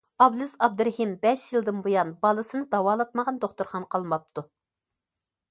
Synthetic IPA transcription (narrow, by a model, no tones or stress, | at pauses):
ɑblˠɨzɑb̚d̪ɨɾɪhimbɛʃjilˠd̪ɨnbojɑnbɑlˠɨsɨnɨd̪ɑwɑːlˠɑt̪̚məʁɑnd̪oχt̪uɾχɑnqʰɑlˠmɑp̚t̪ʰu